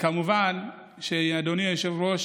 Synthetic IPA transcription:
kamuvan | ʃeiadoniajoʃevɾoʃ

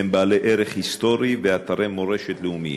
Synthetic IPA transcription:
embaːleʔeɾeχhist̪o̞ɾiveat̪aɾemo̞ɾe̞ʃet̪leumḭ

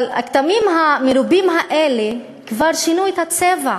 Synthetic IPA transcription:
la̰kt̪amimɦameɾubimɦaʔele | kvaʁʃinuet̪hat͡seva

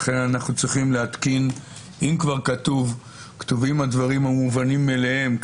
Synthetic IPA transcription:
χe̞nanaχnut͡sʁiχimleat̪kin | ʔimkvaʁkat̪uv | kt̪uvimad̪vaʁimhamuvanimːelehe̞mk

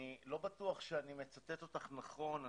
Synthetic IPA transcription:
ilo̞bat̪uaχʃeanimet͡sat̪et̪o̞t̪aχnaχo̞na

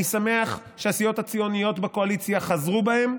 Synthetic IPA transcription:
isame̞aχ | ʃeasijo̞that͡sijo̞nijo̞tbeko̞alit͡sijaχazʁubahe̞m

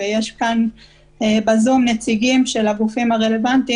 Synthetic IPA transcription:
ejeʃkan | ebazumnet͡siɡimʃe̞laɡufimaʁe̞le̞vant̪i

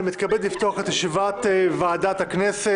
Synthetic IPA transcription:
mit̪kabed̪lift̪oaχet̪haʃivat̪vaːdat̪haknese

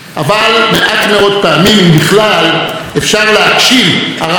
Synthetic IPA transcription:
ʔavalme̞ʔatme̞o̞d̪̚paːmimimbiχlal | e̞fʃaʁlehakʃimhaʁa

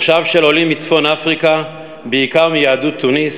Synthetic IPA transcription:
ʃavʃelo̞limit͡sfo̞nafʁika | beikaʁmijaːdut̪ʰːunis

